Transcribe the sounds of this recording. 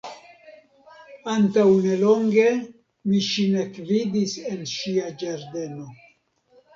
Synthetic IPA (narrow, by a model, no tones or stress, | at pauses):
antawne̞lo̞ŋɡe̞ | miʃinekvidisenʃiad͡ʒaɾde̞no̞